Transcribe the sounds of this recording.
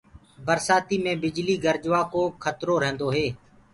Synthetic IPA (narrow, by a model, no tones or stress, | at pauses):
bəɾsaːt̪iːmẽːbɪd͡ʒliːɡəɾd͡ʒʋaːkoːkʰət̪ɾoːɾɛ̃ːnd̪oːɦeː